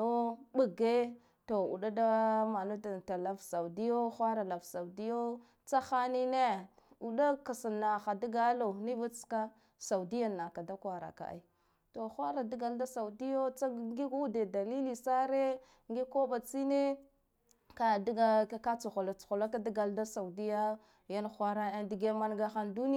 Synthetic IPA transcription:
o˦ɓa˨ɡe˦ | to˨ṵ˨ɗa˦da˦ma˨no˦da˨ta˨la˨vsa˨u˨di˦jo˦xʷa˦ɾa˨la˨vsa˨wdi˦jo˦ | t͡sa˦xa˦ni˦ne˦ | u˨ɗa˦ka˨sa˨nːa˨xa˨di˦ɡa˦lo˨ni˦va˦t͡ska˦ | sa˨u˨di˦ja˨nːa˨ka˨da˦kwa˨ɾa̰˨ka̰˨ʔa̰˨i˦ | to˨xʷa˦ɾa˨di˦ɡa˨lda˦sa˨u˨di˦jo˦t͡sa˦ŋɡi˦ɡu˦de˨da˨li˦li˨sa˦ɾe˦ | ŋɡi˦ko˦ba˨t͡si˦ne˦ | ka˨dɡa˨˦ka˦t͡su˨xo˨la˨t͡su̥˨xo˨la˦ka˦di˦ɡa˨lda˦sa˨u˨di˦ja˦ | ja˦nxʷa˦ɾa˦a˦ndi˨ɡe˦ma˦nɡa˦xa˦ndu˦n˦

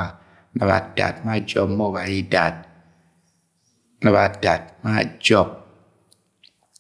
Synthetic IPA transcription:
a˨ | na˨βa̰˨da̰˨t̚ma˦d͡ʒɔ˦pmo˦˨ba˨i˦da˨t̚ | na˨βa˨da˨t̚ma˦d͡ʒɔ˦p̚

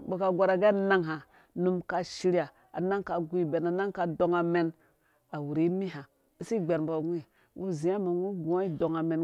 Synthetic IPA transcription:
bo˨ka˨ɡʷa˨ɾa˨ɡe˦˨na˦ŋɦa˨ | nu˦mka˨ʃi˦ɾi˦a˨ | a̰˨na˦ŋka˨ɡu˦i˦be˨na˨na˦ŋka˨do˨ŋa˨me˨n | a˨wu˨ɾi˦mi˦ɦa˨ | i˨˦si˦ɡ͡be˨ɾmbo˨ɡu˦i˦˨ | wṵ˦zĩ˨a˦ma˨wu˦ɡu˨a˦i˦do˨ŋa˨me˨n

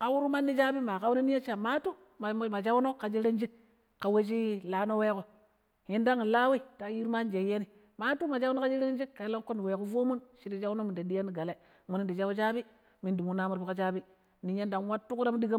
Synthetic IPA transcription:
ka˦wu˦ɾu˦ma˦nːi˦d͡ʒa˦bi˦ma˨ka˦wu˦ni˦ni˦je˦t͡ʃa˨ma˦tu˦ | m˨ma˨d͡ʒa˦wu˦no˦ka˨d͡ʒi˦ɾe˦nd͡ʒi˦k | ka˨we˦t͡ʃ̬i˦la˨no˦we˦ko˨ | ji˦nda˦ŋi˨la˦wi˦ta˨˦ji˦ɾma˦nd͡ʒe˨je˦ni˨ | ma˦tu˦ma˨d͡ʒa˦u˦no˦ka˦d͡ʒi˦ɾe˦n˦d͡ʒi˦kka˨˦la˦ko˦ni˨we˨ku˦vo˦mu˦nʃi˦ɾi˦d͡ʒa˦wno˦mi˨nde˨di˦ja˦ni˨ɡa˨le˦ | mu˨ni˦ndi˨d͡ʒa˦wd͡ʒa˦bi˦ | mi˨ndi˨mu˨na˦mu˦ɾbi˦ka˦t͡ʃa˦bi˦ | ni˨ɲe˦nda˨nwa˦tːu˦ku˦ɾa˦m˦di˦ɡa˦

